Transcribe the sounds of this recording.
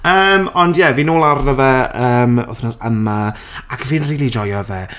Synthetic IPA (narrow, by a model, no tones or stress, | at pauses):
əːmɔndjɛviːnoːlˠarnɔvɛəːmɔ̰θnɔsəma | akʰviːnriːlˠid͡ʒɔjɔvɛ